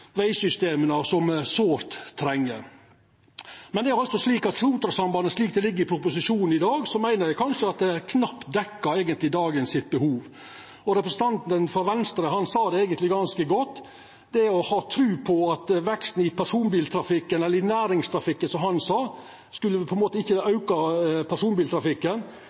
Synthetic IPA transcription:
ʋæɪsʏst̪eːmənɑsɔmsoːɾt̪ʰːɾɛŋːəɾ | mɛnd̪ɛæɾɑlt̪sɔsliːkɑt̪smuːt̪ɾɑsɑmbɑnəsliːk̚d̪ɛlɪɡːəɾɪpʰɾʊpʊsɪʂuːnn̩ɪd̪ɑːɡsɔmæɪnəɾjæɪkʰɑnʂəɑt̪̚d̪ɛkʰnɑpt̪d̪ɛkːəɾæɪɡənt̪lɪd̪ɑːɡənsɪt̪̚bəhuːʋ | ɔɾɛpɾəsn̩t̪ɑnt̪ənfɔɾʋɛnst̪əɾəhɑnsɑːd̪ɛæɪɡənt̪lɪɡɑnskəɡɔt̪ː | d̪̥ɛɔhɑːt̪ʰɾʉːpʰɔɑt̪ʋɛkst̪n̩ɪpʰæɾʂuːnbiːlt̪ʰɾɑfɪkːənɛlːəɾɪnæːɾɪŋst̪ʰɾɑfɪkːənsɔmhɑnsɑː | skʉlːəpʰɔɛnmoːt̪əɪçːəɑʉkɑpʰæʂuːnbiːlt̪ʰɾɑfɪkːən

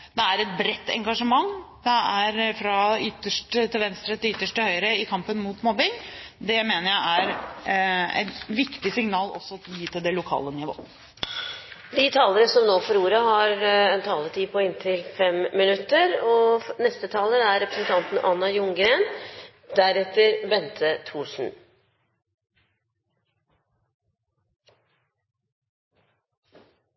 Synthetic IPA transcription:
d̪ɛæɾɛt̪̚bɾɛt̪ːɛ̰ŋɡɑʂəmɑŋːd̪ɛæɾfɾɑʏt̪ːəʂʈt̪ʰɪlʋɛnst̪ɾət̪ɪʏt̪ːəʂʈəhœʏɾəɪkʰɑmpənmut̪mɔbɪŋd̪ɛmeːnəɾjæɪæɾ | ɛ̰ɪnʋɪkt̪ɪsɪŋnɑːlɔ̰sːɔjiːt̪ʰɪld̪ɛlʊkʰɑ̰ːlənɪʋo̰ː | d̪ɪt̪ʰɑːləɾəsɔmnoːfɔɾuːɾɑhɑɾɛnt̪ʰɑːlət̪ʰiːpʰɔɪnt̪ʰɪlfɛmːɪnʉt̪ːəɾɔnɛst̪ət̪ʰɑːləæɾːɛpɾəsnt̪ʰɑnt̪n̩ʔɑnːɑjʊŋɡɾeːn | d̪̥æɾɛt̪əɾbɛnt̪ʰət̪ʰuːʂn̩

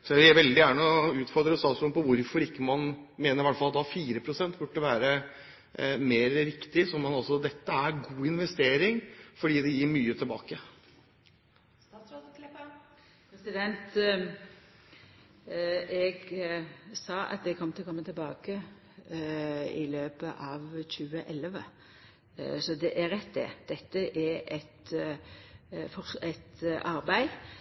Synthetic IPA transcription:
sɔʋɪæɪʋɛld̪ɪjæːɳəɔʉːt̪fɔɾd̪ɾəst̪ɑːsmʉnpɔʋʊɾfɔɾɪkːəmɑnmeːnəɾɪʋæʈfɑlɑt̪d̪ɑfiːɾəpʰɾʊsɛnt̪bʉʈːəʋæːɾə | meːɾɾɪkt̪ɪsɔmɑnɑlsɔd̪ɛt̪ːəæɾɡuːɪnʋɛst̪eːɾɪŋfɔɖiːd̪ɛjiːɾmyːət̪ʰɪlbɑ̰ːkə | sɾolɛ | pɾɛsɪd̪ɛnt̪ | ɛɡ | sɑːɑ̰t̪̚d̪ɛɡkʰɔmːt̪ʰɪlɔkʰɔmːət̪ʰɪlbɑːkə | ɪløːpəʔɑʋçʉːəʔɛlʋə | sɔd̪ɛʔæɾɛt̪ːd̪ɛ̰d̪̥ɛt̪ːəʔɛɾɛt̪ | fɔɛt̪ʔɑɾbæɪ

